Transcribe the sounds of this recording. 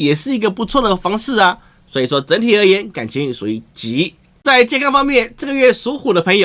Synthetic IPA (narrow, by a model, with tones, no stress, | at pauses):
jɛ˨˩ʂɻ̩˥˩i˧˥ɡə˧pu˧˥t͡sʰwɔ˥˩d̪ə˩fɑ˥ŋʂɻ̩˥˩ɐ˩ | swɔ˧˥i˨˩ʂ̬wɔ˥ʈ͡ʂə˧˥nt̪ʰi˨˩ə˞˧˥jɛ˧˥˦nka˨˩nt͡ɕʰi˧˥y˨˩su˧˥i˨˩t͡ɕi˧˥ | t͡sa˥˧ɪt͡ɕjɛ˥˧kʰa˥˧fɑ˥ŋmjɛ˥˧nʈ͡ʂə˥˩ɡə˩ɥɛ˥˩su˧˥xu˨˩d̪ə˦pʰə˧˥ŋjo˨˩